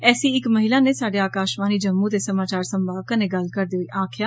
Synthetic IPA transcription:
ɛːsiːɪkməɦilaːneːsaːɖeːaːkaːʃmãːniːd͡ʒəmːuːt̪eːsəmaːt͡ʃaːɾsəmbʱaːʋkãːneːɡəlkəɾd̪eːoiːʔaːkʰjaː

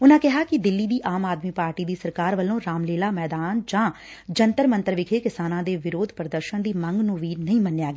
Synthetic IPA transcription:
ʊnãːkɪɦaːkɪd̪ɪlːiːd̪iːʔaːmaːd̪miːpaːɾʈiːd̪iːsəɾkaːɾʋəlːõːɾaːmleːlaːmɛːd̪aːnd͡ʒãː | d͡ʒənt̪əɾmə̃nt̪əɾʋɪkʰeːkɪsaːnãːd̪eːʋɪɾoːd̪ʱpɾəd̪əɾʃənd̪iːməŋɡnũːʋiːnəĩːmənːjaːɡeː

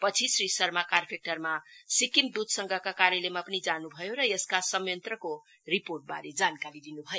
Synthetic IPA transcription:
pʌt͡sʰisrisʌɾmakarpʰek̚ʈʌrmasikimd̪ud̪ʱsʌŋɡʱʌkakaɾjelemapʌnid͡zanubʱʌjoɾʌjeskasʌmjʌnt̪rʌko | riporʈ̚ba̰ɾed͡zankaɾid̪inubʱʌjo

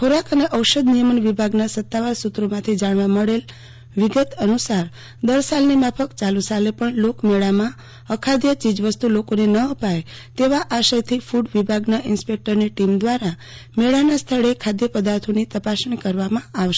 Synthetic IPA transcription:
kʰoɾakəneʔəwʃəd̪nijəmənʋibʱaɡnasət̪ːaʋaɾsut̪ɾomãt̪ʰid͡ʒaɽ̃ʋãməɭel | ʋɪɡət̪ənusaɾ | d̪əɾsalnimapʰəkt͡ʃalusalepəɳlokmeɭamã | əkʰad̪jət͡ʃid͡ʒʋəst̪ulokonenəəpaj | t̪eʋaʔaʃəjt̪ʰifuɖʋibʱaɡnaʔɪnspek̚ʈəɾniʈimd̪ʋaɾa | meɭanast̪ʰəɭekʰad̪jəpəd̪aɾt̪ʰonit̪əpasɳikəɾʋamãaʋʃe̥

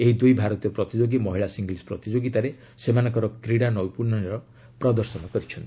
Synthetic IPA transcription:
eɦid̪ujbʱaɾɔt̪iɔpɾɔt̪id͡ʒoɡimɔɦiɭasiŋɡlspɾɔt̪id͡ʒoɡit̪aɾe | semanɔŋkɔɾɔkɾiɽanɔwjpuɾnɔneɾɔ | pɾɔd̪ɔɾsɔnɔkɔɾit͡ʃʰɔnt̪i̥

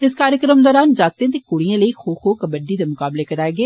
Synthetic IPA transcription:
ɪskaːɾjəkɾəmd̪ɔːɾaːnd͡ʒaːɡ̚t̪ẽt̪̬eːkʊɽijãləixoːxoːkəbəɖid̪emʊkaːblekəɾaːeːɡeː

